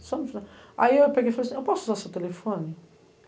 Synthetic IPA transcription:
sɔmĩfiãa̰iewpeɡejfalejsĩewpɔsʊuzasewt̪elefõnɪ

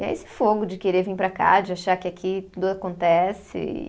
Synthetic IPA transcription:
ɛ̰esɪ̥foɡʊd͡ʒɪkeɾeɾvĩŋpɾaka̰d͡ʒɪaʃakɪakʰit̪ud̪ʊakõnt̪ɛsɪ̰

